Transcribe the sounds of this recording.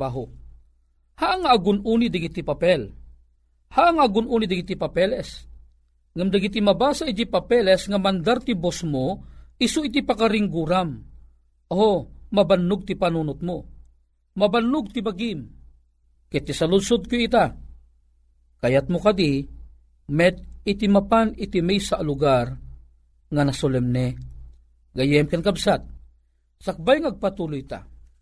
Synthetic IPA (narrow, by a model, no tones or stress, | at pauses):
baːɦʊ | haʔŋaːɡʊnuːnid̪aɡit̪ipapɛl | haʔŋaʔːɡʊnʔuːnid̪aɡit̪ipapɛlɛs | ŋamd̪aɡit̪imabaːsaʔit̪ipapɛlɛsŋamand̪aɾt̪ibosmoisʊit̪ipakaɾiŋɡuːɾam | oomabanːʊɡ̚t̪ipanuːnʊt̪̚mo | mabanːʊɡ̚t̪ibaɡim | kɛt̪isalʊlsʊd̪̚kʊit̪a | kajat̪̚mʊkad̪i | mɛt̪̚ɪt̪imapanɪt̪imɛjsaʔlʊɡar | ŋanasolɛmnɛ | ɡajɛmkankabsat̪̚ | sak̚bajŋaːɡ̚pat̪ulʊjt̪a̰